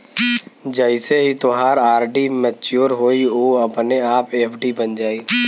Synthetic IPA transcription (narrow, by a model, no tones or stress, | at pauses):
d͡ʒəɪseɦit̪oɦaːɾaːɾɖimɛt͡ʃuːɾɦoːioːɐpneaːpeːpʰɖibənd͡ʒaːiː